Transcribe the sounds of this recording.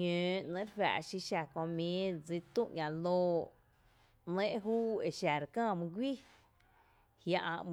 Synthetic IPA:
ɲø̃ː˨ʔnẽ˦ɾwæ̰ː˨ʃi˧ʃa˨kõ˧mĩː˨˦d͡zi˦t̪ũ˦˧ʔɲʲã˨loː˧˦ | nẽ˦ʔɦuː˦e˧˨ʃa˨ɾkãː˦˨mũ˧ɡʷi˦˨ | hja˧ʔã˧ʔm

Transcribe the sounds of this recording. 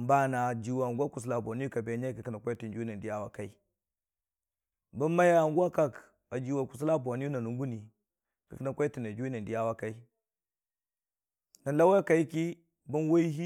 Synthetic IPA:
mba˦na˨d͡ʒi˨wa˨ŋɡʷa˦ku˨s̬la˨bo˨ni˦ju˦ka˨be˨˦ɲa˦ki˨ki˦na˨kʷa˦ti˨nd͡ʒu˦i˦na˨n˨di˦ja˦wa˦ka˦i˦ | bu˦nma˦ja˦˨ŋ˦ɡu˦a˦ka˨k | a˨d͡ʒi˨wa˨ku˨s̬la˦bo˨ni˦u˦na˨nu˨ŋ˦ɡu˦ni˨ | ki˨kə˦na˨kʷa˦i˦ti˨na˨d͡ʒu˦i˦na˨n˨di˦ja˦wa˦ka˦i˦ | na˨˦la˦wa˦ka˨i˦ki˦ | bu˦nwa˦i˦ɦi˦

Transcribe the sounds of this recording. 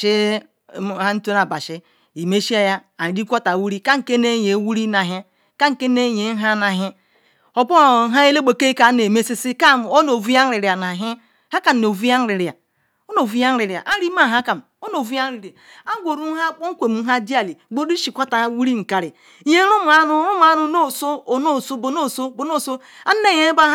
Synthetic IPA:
ʃi˦ | ha˦n̩˦to˦na˨ba˨ʃɪ˦ | i˨me˦ʃi˦a˦ja˦a˨di˦kʷa˦ta˨wu˦ɾi˦ka˦ŋ̩˨ke˦ne˦je˨˦wu˦ɾi˦na˨ɦe˦ | ka˦ŋ̩˨ke˦ne˦˨je˨˦ɦa˦na˨ɦɪ˦ | o˦po˦˨˦ɦa˦je˦le˦ɡ͡bo˨ke˦ka˨˦ne˨me˦si˦si˦ka˦˨o˦no˨vu˦a˦n̩˦ɾi˨ɾi˨a˨na˨ɦɪ˦ | ha˦ka˨n̩˨no˨vu˦ja˦n̩˦ɾi˨ɾi˨a˨ | o˦no˨vu˦ja˦n˦ɾi˨ɾi˨a̰˨ʔa˦ɾi˦ma˦˨ɦa˦ka˨m˨o˦no˨vu˦a˦n̩˦ɾi˨ɾa˨a˦ɡʷo˨ɾu˦ɦa˦k͡po˦ŋ̩˦kʷe˨m̩˨˦ɦa˦di˦a˨li˨˦ɡ͡bo˦ɾi˦ʃi˨kʷa˦ta˨˦wu˦ɾi˦ŋ̩˨ka˨ɾi˨˦ | je˦ɾu˦m˨a˦nʊ˦ɾu˦m˦a˦nu˨no˦˨so˦o˨no˦˨so˦bo˨no˦˨so˦bo˨no˦˨so˦ | a˦n˦ne˦˨je˦ba˦

